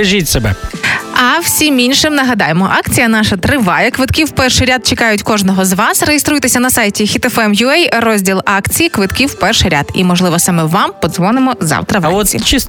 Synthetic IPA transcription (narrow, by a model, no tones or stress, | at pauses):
ɐʒʲitʲsebɛ̰ɐw̥sʲiminʲʃɪmnɐɦɐd̪ɑjemɔʔɑkt͡sʲijɐn̪ɑʃɐt̪ɾɪʋɑjɛkʋɪt̪kʲiwpɛrʃɪɾʲad̪̚t͡ʃekɑjʊtʲkɔʒnɔɦɔzʋɑsɾejest̪ɾujt̪esʲɐnɐsɑjtʲixʲit̪efɛmjʊɛjrɔzʲdʲilˠɑkt͡sʲijikʋɪt̪kʲiwpɛrʃɪjɾʲa̰d̪ḭmɔʒlˠɪʋɔsɐmɛwʋɑmpɔd̪zʋɔnɪmɔzɑ̰wt̪ɾɐʋ̰ɔsʲḭt͡ʃis